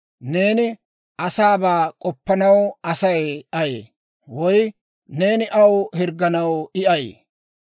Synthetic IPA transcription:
ne̞ːnɪ | ɐsaːbaːkʼɔpːɐnɐwɐsɐjɐjḛː | wɔj | ne̞ːnɪʔɐwhɪɾɡːɐnɐwɪʔɐj

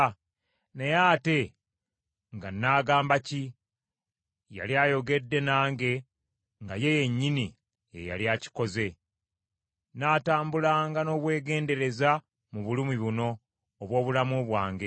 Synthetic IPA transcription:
nejaːte̞ | ŋɡanːaːɡaːmbaci | ja̰liaːjo̞ɡe̞dːe̞naːŋɡe̞ | ŋɡaje̞je̞ɲːini | jḛja̰ljaːci̥ko̞ze̞ | naːtaːmbulaːŋɡano̞ːβwe̞ːɡe̞ːnde̞ɾe̞za | muβulumiβuno̞ː | βwo̞ːβulamuβwaːŋɡe̞

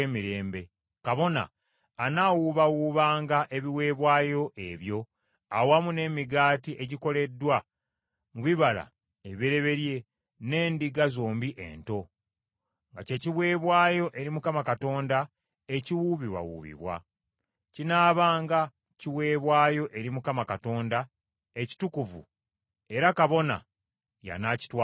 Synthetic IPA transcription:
emiɾe̞ːmbe̞ | kaβo̞na̰ː | nawuβawuːβaːŋɡaʔe̞βiwe̞ːβwaːjo̞ʔe̞βjo̞ | awamune̞miɡaːtiʔe̞ɟiko̞le̞dːwa | muβiβala̰ | eβiɾe̞βe̞ɾje̞ | ne̞ːndiɡazoːmbiʔḛnto̞ | ŋɡaceciβwe̞ːβwaːjo̞ʔe̞ɾimukamakato̞ːnda | e̞ciwuβiβa̰wṵβḭβwa̰ | cinaːβaːŋɡa | ciwe̞ːβwaːjo̞ʔe̞ɾimukamakato̞ːnda | e̞ci̥tukuvṵ | e̞ɾakaβo̞na̰ | ja̰naci̥twa

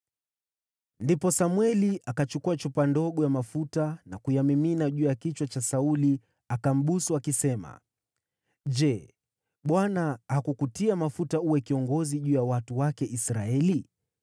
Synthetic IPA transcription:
ndipɔsamwɛliʔakat͡ʃukuat͡ʃupandɔɠɔjamafutanakujamiminaʄuːjakit͡ʃwat͡ʃasauli | akam̩ɓusuakisɛma̰ | ʄɛ | ɓwanahakukutiamafutauwɛkiɔŋɡɔziʄuːjawatuwakɛʔisɾaɛli

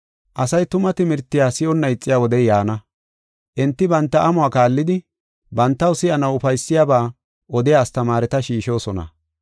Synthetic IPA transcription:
ʔɐsɐjt̪ʊmɐt̪ɪmɪɾt̪ːɪjaːsɪɔnːɐjɪt͡sʼːɪjaːwɔd̪ɛjjaːnɐ | ʔɛnt̪ːɪbɐnt̪ːɐʔɐmʊaːkaːlːɪd̪ɪ | bɐnt̪ːɐwsɪʔɐnɐwʊfɐjsːɪjaːbaː | ɔd̪ɪjaːst̪ɐmaːɾɛt̪ɐʃiːʃo̞ːsɔnɐ̰

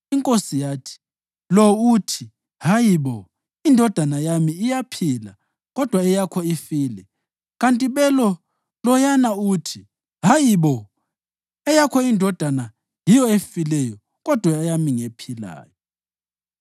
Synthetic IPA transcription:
iŋkʼosijaːtʰi̥ | lɔutʰi | hajiβɔ | indʱɔd̥ʱanajamiːjapʰila̰ | ɣɔd̥ʱwaɛjakʰɔifiːlɛ | ɣantʼiβɛlɔ | lɔjanautʰi | ɦajiβɔ | ɛjakʰɔindʱɔd̥ʱana | jijɔefilɛjɔ | ɣɔd̥ʱwaɛjamiŋepʰila̰ːjɔ

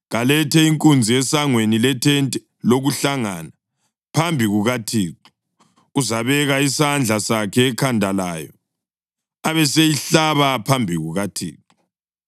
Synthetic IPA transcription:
ɣalɛtʰɛiŋkʼund͡zʱiɛsaŋwenilɛtʰɛntʼɛ | loɣuɬaŋana | pʰambʱiɣuɣatʰiːǁu̥ | ɣuzaβɛɣaisand͡ɮʱasakʰɛːkʰandʱalaːjɔ | aβɛsejiɬaβapʰambʱiɣuɣatʰḭːǁu

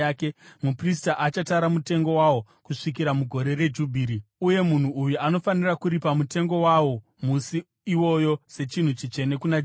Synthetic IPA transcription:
ake̞mupristaʔat͡ʃataɾamute̞ŋɡo̞wawo̞ | kuʂikiɾamuɡʱo̞ɾe̞re̞d͡ʒubʱiːɾiuje̞mun̤uːjuano̞fanirakuɾipamute̞ŋɡo̞wawo̞ | musi | iwo̞jo̞se̞t͡ʃin̤ut͡ʃit͡ʃe̞ne̞kunad͡ʒ

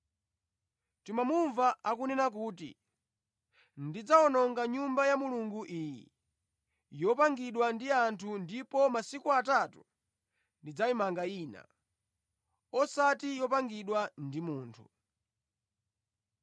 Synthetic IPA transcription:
timamuɱvaakunɛnak̬uːtḭ | ndid͡zaɔnɔŋɡaɲumbajamuluŋɡuʔiːjḭ | jɔpaŋɡiɗwandiantʰundipɔmasikuatatu̥ | ndid͡zaimaŋɡaiːna̰ | ɔsatijɔpaŋɡiɗwandimuːntʰu

